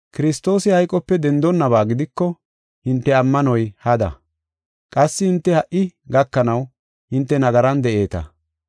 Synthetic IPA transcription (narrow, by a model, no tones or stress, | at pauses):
kɪɾɪst̪o̞ːsɪhɐjkʼɔpːɛd̪ɛnd̪ɔnːɐβaːɡɪd̪ɪkːɔ | hɪnt̪ːɛɐmːɐnɔjhɐd̪ɐ̰ | kʼɐsːɪhɪnt̪ːɛhɐʔɪɡɐkːɐnɐw | hɪnt̪ːɛnɐɡɐɾɐnd̪ɛʔe̞ːt̪ɐ̰